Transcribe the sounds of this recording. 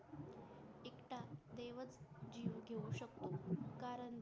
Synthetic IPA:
ekʈad̪eʋət͡sd͡ʑiːʋɡʱeuɕək̚t̪okaɾən

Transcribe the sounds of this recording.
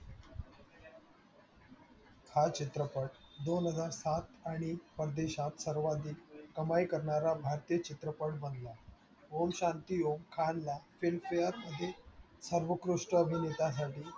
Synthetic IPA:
kʰat͡ɕit̪ɾəpəɽd̪onɦəd͡zaɾsat̪aɽ̃ipəɾd̪eɕat̪səɾʋad̪iːkəmajkəɾɳaɾabʱaɾt̪ijət͡ɕit̪ɾəpəɽbənd̪la | ʋomɕant̪ijomkʰanlafilfejəɾməd̪ʱːje | səɾʋəkɾuʂʈəəbʱinet̪as̬aʈiː

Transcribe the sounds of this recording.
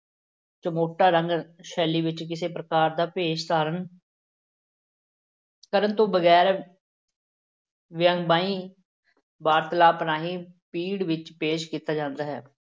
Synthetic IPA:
t͡ʃəmoːʈaːɾə̃ŋɡʃɛːliːʋɪt͡ʃk̬ɪseːpɾəkaːɾd̪aːpeːʃt̪aːɾən | kəɾənt̪õːbəɡɛːɾ | ʋɪəŋɡbaːĩː | baːɾt̪laːpnaːɦiːpiːɽʋɪt͡ʃpeːʃkiːt̪aːd͡ʒãːnd̪aːɦɛː

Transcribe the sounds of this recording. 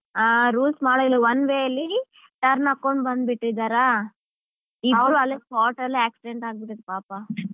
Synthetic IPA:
aːɾuːlsmaːɽɐlʋɐnʋeːɐlːi | ʈɐɾnakːoɳɖbɐnd̪biʈːid̪ːaːɾa | iaɭuɐlːipaːʈɐlːieːksiɖeɳʈaːɡ̚biʈid̪epaːpa

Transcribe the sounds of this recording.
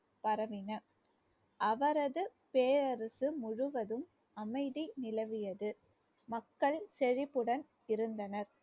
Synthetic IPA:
pɐɾɐʋɪnɐ | ʔɐʋɐɾɐðɯ | peːɾɐɾɯsɯmʊɻʊʋɐðɯm | ɐmɐɪðinɪlɐʋɪjɐðɯ | mɐkːɐɭsɛɻɪpːɯɽɐn | ɪɾɯnd̪ɐnɐɾ

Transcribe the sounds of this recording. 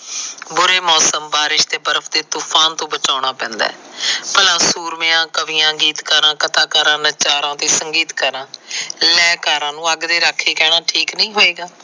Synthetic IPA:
bʊɾeːmɔːsəmbaːɾɪʃd̪eːbəɾəpʰd̪eːt̪ʊpʰaːnt̪õːbət͡ʃaːɳ̃aːpɛ̃ːnd̪ɛ̰ːpəlãːsuːɾmɪjãːkəʋɪːãːɡiːt̪kəɾãːkət̪aːkaːɾãːnət͡ʃaːɾãːt̪eːsəŋɡiːt̪kəɾãːlɛːkaːɾãːnũːəɡd̪eːɾaːkʰːeːkɛːɽaːʈʰiːknĩːɦoːeːɡaː

